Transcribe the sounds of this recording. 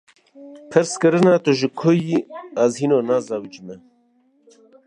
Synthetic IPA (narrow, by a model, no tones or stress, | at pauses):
pʰɨɾskɨɾɨnaːt̪uʒɨkʰojiazhiːnoːnaːzaːwid͡ʒmɛ